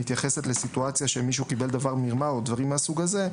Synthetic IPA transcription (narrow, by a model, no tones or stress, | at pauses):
it̪jaχe̞setlesit̪uat͡sjaʃe̞miʃ̬ukibe̞ld̪avaʁmiʁmaod̪vaʁimasuɡaze̞